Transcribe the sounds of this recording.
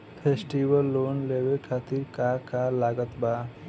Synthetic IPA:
pʰeːsʈiwəlːoːnleːʋekʰaːt̪iɾkakalaːɡət̪baː

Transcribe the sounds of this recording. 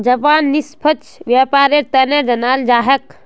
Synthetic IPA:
d͡ʒəpaːnːispʰət͡ʃʋjapaːɾeɾt̪əneɾd͡ʒənald͡ʒaːɦek

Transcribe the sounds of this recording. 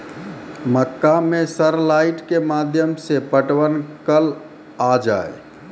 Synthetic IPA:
məkːamesəɾlaiʈkemad̪ʱjəmsepəʈwənkəl | ad͡ʒa̰e

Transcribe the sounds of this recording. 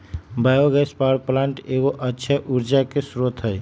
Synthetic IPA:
bajoɡɛspaɾplãɳʈeɡoʔətːʃʰəʔuɾd͡ʒakesɾot̪ɦəj

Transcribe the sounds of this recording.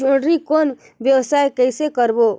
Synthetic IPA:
uɳɖɾikoːn | bjəwsaːjkəɪsekəɾbo

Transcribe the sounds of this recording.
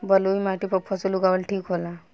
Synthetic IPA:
bəluimaʈipəpʰɔt͡suluɡaʋəlʈʰiːkɦola

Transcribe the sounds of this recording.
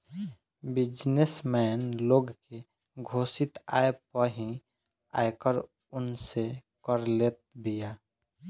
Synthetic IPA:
bɪd͡ʒnesmɛnloɡke | ɡʱosɪt̪a̰ːepəɦĩ | a̰ekəɾ | ʊnsekəɾlet̪̚bija

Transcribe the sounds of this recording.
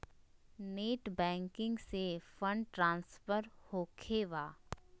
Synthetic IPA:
neːʈbɛ̃ːŋkɪ̃ŋɡsefə̃ɳɖ̚ʈɾãːnsfəɾhoːkʰeʋaː

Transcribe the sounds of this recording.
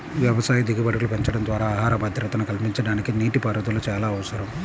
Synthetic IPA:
ʋjɐʋɐsaːjɐd̪iɡɐbɐɽɐkulupeɲt͡ʃɐɽɐnd̪ʋaːɾaːaːɦaːɾɐbɐd̪ʱɾɐt̪ɐnɐkɐlpiɲt͡ʃɐɽaːnikiniːʈipɐɾɐd̪uloːt͡ʃaːlaːʋɐsɐɾɐm

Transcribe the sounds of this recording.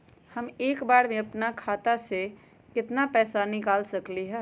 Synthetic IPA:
həmeːkbaːɽmẽɐpnakʰaːt̪ase | kɪt̪napɛːsanɪkaːlsəkliɦɛː

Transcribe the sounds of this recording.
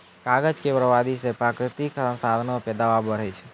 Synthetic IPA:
kaɡəd͡ʒkebɾəʋad̪isepɾakɾɪt̪iksə̃sad̪ʱnopɛd̪aʋabəɾejt͡ʃʰe̥

